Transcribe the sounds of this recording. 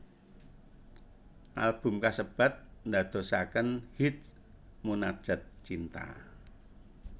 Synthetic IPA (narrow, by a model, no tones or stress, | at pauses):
ʔa̰lb̥ṳmkasəb̥ä̤t̪̚nd̪a̤d̪̥o̤sakənhit̪̚ | munad̥ʒ̥ə̤t̪̚t͡ʃint̪a̰